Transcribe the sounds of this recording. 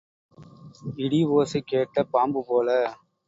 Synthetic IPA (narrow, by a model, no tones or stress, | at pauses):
ɪɽiʋoːsɯkeːʈːɐpaːmbɯpoːlɐ